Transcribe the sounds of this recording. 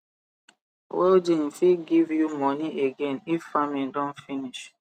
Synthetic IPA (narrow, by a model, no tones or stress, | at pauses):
wɛld͡ʒem̩fiɡivjumɔniʔeɡẽnifːamĩndɔ̃nfiniʃ